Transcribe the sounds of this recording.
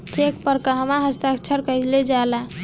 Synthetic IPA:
ʈekpəɾkəɦəmaɦəst̪aəkt͡ʃʰəɾkəd͡ʒled͡ʒala

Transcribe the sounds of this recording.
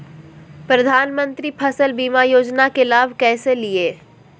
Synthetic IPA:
pɾɐd̪ʱaːnmə̃nt̪ɾipʰɐsəlbiːmajoːd͡ʒnakelaːbʱkɛːselieː

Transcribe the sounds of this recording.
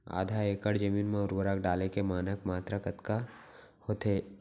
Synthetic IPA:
a̰ːd̪ʱaeːkəɽd͡ʒɐmiːnmẽʊɾbəɾakɖaːlekemaːnəkmaːt̪ɾakɐt̪ka | hoːt̪ʰeː

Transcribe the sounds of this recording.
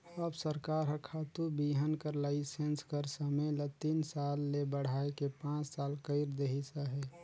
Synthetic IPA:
əbsəɾkaːɾɦəkʰat̪ubiɦənkəɾlaːɪsenskəɾsəmelət̪insaːlːebəɽ̤aekepãːt͡ʃsaːlkəɪɾd̪eɦisaɦɛ

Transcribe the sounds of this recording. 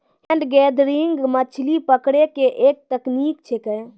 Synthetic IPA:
ɦeɳɖɡɛd̪ɾiŋɡmət͡ʃʰlipəkɽekeʔek̚t̪əknikt͡ʃʰekɛ

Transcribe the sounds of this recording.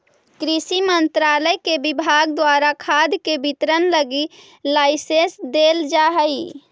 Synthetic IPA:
kɾisimənt̪ɾaləjkebibʱaɡd̪waɾakʰad̪kebit̪ɾənləɡi | laɪsesd̪eld͡ʒaɦəi

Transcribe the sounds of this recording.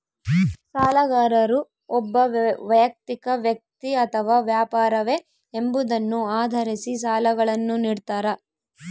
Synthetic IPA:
saːlɐɣaːɾɐɾu | ɔbːɐʋɐjɐk̚t̪ikɐʋjɐk̚t̪iɐt̪ʰɐʋaːʋjaːpaːɾɐʋe | embud̪ɐnːuaːd̪ʱɐɾisis̬aːlɐɡɐɭɐnːuniːɽt̪aːɾɐ

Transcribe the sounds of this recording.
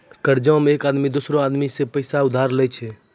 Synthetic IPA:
kəɾd͡ʒameeːkad̪mid̪osɾoad̪misepəjsaʊd̪ʱaɾlɛjt͡ʃʰɛ

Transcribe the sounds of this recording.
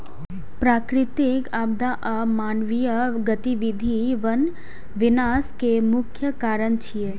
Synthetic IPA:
pɾaːkɾɪt̪ɪkaːb̚d̪aʔamaːnʋijəɡət̪iʋid̪ʱiʋən | ʋɪnaːskemʊkʰjəkaːɾənt͡ʃʰije

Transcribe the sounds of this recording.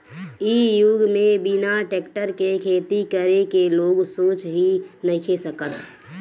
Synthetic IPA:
ijuɡmẽbinaʈeːkʈəɾkekʰet̪ikəɾekeloːɡsoːt͡ʃɦinəkʰesəkət̪

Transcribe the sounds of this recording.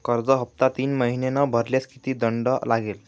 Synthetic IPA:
kəɾd͡zɔɦəp̚t̪at̪iːnməɦinenɔbʱəɾljaskit̪iːd̪əɳɖɔlaɡel

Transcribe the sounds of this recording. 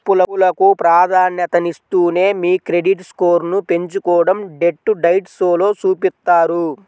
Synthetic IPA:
pːulɐulɐkupɾaːd̪ʱaːnjɐt̪ɐnist̪uːne̞ːmiːkɾe̞ɖiʈskoːɾnupe̞ɲt͡ʃukɔːɽɐmɖe̞ʈːuɖɐjʈsoːlo̞ːt͡ʃuːpit̪ːaːɾu

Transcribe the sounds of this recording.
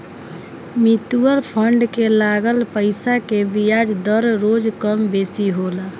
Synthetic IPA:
mit̪uəlpʰəɳɖkelaɡəlpəɪsakebijad͡ʒd̪əɾɾod͡ʒkəmbesiɦola

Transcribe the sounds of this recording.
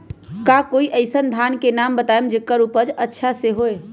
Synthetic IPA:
kakoːiʔəɪsənd̪ʱaːnkenaːmbət̪aːemd͡ʒekːaɾuːpəd͡ʒətːʃʰaseɦoːe

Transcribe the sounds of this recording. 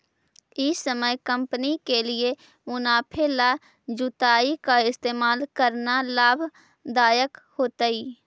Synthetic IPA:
isəməjkə̃mpənikelie | mʊnaːpʰela | d͡ʒʊt̪aːikaɪst̪eːmaːlkəɾnalaːbʱ | d̪aːjəkhoːt̪aiː

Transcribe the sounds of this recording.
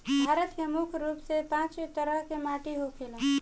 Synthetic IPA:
bʱaːɾət̪kemukʰɾuːpsepãt͡ʃet̪əɾəɦkemaʈiɦokʰelə

